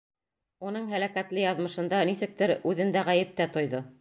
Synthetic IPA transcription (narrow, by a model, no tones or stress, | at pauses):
unɤɴɦælækæt̪lɘjɑðmɤ̆ʃɤ̆nd̪ɑnisɘ̆k̚t̪ɘɾʉðɘ̆nd̪æʁæjɘ̆p̚t̪æt̪ŏjðo